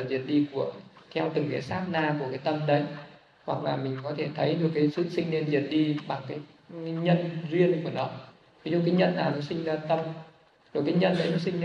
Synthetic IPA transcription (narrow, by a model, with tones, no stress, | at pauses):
zi˨˩ət̚ɗi˧ku˧˩ət̪ʰɛ˧wt̪ɨ˨˩ŋkaː˨˦jsaː˦˥p̚naː˧˩ku˧˩əkaː˨˦jt̪ə˧mɗə˨˦j | hwa˨˩k̚laː˨˩mï˨˩ŋ̟kɔ˨˦t̪ʰe˧˩t̪ʰə˨˦jɗɨ˨˩əkːaː˨˦jsɨ̰˧˨sï˧ŋ̟ne˧nzi˨˩ət̚ɗi˧ɓa˨˩ŋkaː˨˦jɲə̰˧˨nzwi˧ənku˧˩ənɔ˨˦ | vi˨˦zṵ˧˨kaː˨˦jɲə̰˧˨nːaː˨˩wnɔ˨˦sï˧ŋ̟zaː˧t̪ə˧m | ɗɨ˨˩əkːaː˨˦jɲə̰˧˨nɗə˨˦jnɔ˨˦sï˧ŋ˧